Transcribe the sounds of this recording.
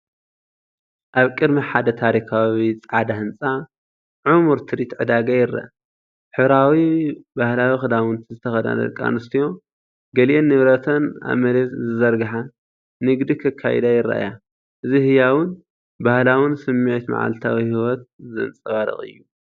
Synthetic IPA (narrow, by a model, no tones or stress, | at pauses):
ʔaβkʼɨd̪miħad̪ɐt̪ʰaɾikʰawit͡sʼʕad̪ahɨnt͡sʼa | ʕumuɾt̪ʰɨɾit̪ʕɨd̪aɡajɪɾːa̰ʔ | ħɨβɾawibahlawixɨd̪awɨnt̪ʰizɨt̪ʰɐxɐd̪a̰d̪ɐ̰lkʼa̰nɨst̪ʰijo̞ | ɡɐliʔenːɨβɾɐt̪ʰɐna̰βmɐlet̪zɨzɐɾɡɨħa | nɨɡd̪ikʰɐkʰːa̰j̰d̪ajɪrːa̰ʔa̰ja | ʔɨzihɨjawʊn | bahlawʊnsɨmːet̪ma̰ʕa̰lt̪ʰawihiwɔt̪̚zɨnt͡sʼɐβaɾɨ̰xʼɨ̰jːu